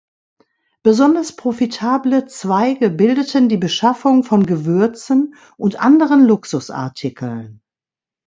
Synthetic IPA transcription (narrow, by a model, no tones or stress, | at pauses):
b̥əzɔndɐspʁ̥ofitʰaːblət͡sv̥aɪɡəbɪldətəndiːbəʃafʊŋfɔnɡəvʏɐt͡sn | ʔʊntʔa̰ndəʁənlʊksʊsʔa̰ɐtʰɪkʰl̩n